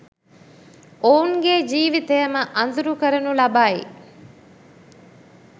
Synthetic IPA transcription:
ouŋɡed͡ʒiːʋit̪ejəməʔɐnd̪uɾukəɾənulɐbaːjḭ

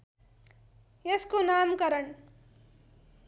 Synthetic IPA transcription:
eskonaːmkʌɾʌɳ

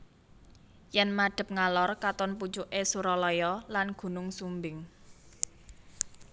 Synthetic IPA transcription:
jɛnmaɖ̥ə̤p̚ŋalɔrkat̪ɔnput͡ʃuʔesuɾɔlɔjɔlanɡ̥ṳnʊŋsumbɪŋ

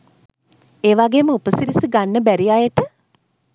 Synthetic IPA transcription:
eːʋaɡeːməupəsiɾisiɡanːəbæɾijajəʈə

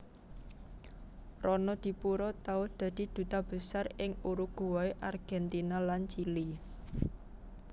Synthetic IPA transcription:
rɔnɔd̪̥i̤puɾɔt̪aʊhd̪̥a̤d̪̥i̤d̪̥ṳt̪ab̥ə̤sarɪŋuɾuɡ̥uwɔeʔarɡ̥ɛnt̪inalant͡ʃili

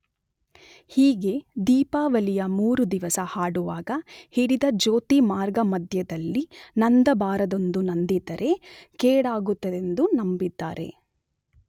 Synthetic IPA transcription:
hiːɡe̞d̪iːpaːʋɐlijɐmuːɾud̪iʋɐsɐhaːɽuʋaːɡɐhiɽid̪ɐd͡ʒoːt̪imaːɾɡɐmɐd̪ʱjɐd̪ɐlːinɐnd̪ɐbaːɾɐd̪o̞nd̪unɐnd̪it̪ɐɾʔe̞keːɽaːɡut̪ːɐd̪e̞nd̪unɐmbid̪ːaːɾe̞̰

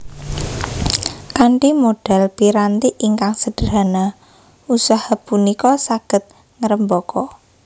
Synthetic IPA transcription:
kaɳʈimoɖ̥ɛlpiɾant̪iʔiŋkaŋsəɖ̥əɾana | usahapunikɔsaɡ̥ə̤t̪̚ | ŋəɾəmbɔkɔ

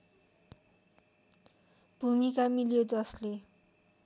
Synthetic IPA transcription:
b̥ʱumikamiljod͡zʌsle

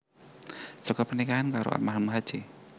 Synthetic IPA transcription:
sɔkɔpənikaɦankaɾo̰a̰maɾamuɦad̥d͡ʒ̥e

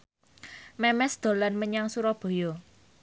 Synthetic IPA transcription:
mɛmɛsd̪̥o̤lanməɲaŋsuɾɔb̥o̤jɔ

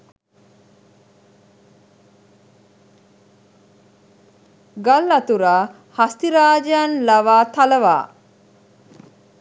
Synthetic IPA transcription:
ɡalːɐt̪uɾaː | hast̪iɾaːd͡ʒjanlaʋaːt̪aləʋa̰ː

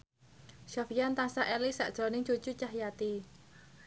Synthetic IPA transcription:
ʃafijant̪asaʔɛlisa̰ʔd̥ʒ̥ɾonɪŋt͡ʃod̥ut͡ʃaɦjat̪i

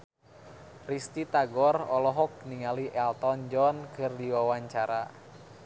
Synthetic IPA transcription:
rist̪it̪aɡɔrɔlɔɦɔk̚niŋaliʔɛlt̪ɔnd͡ʒɔnkʰɨrdiwawaɲt͡ʃaɾa

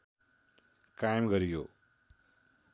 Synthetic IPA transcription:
kajemɡʌɾijo

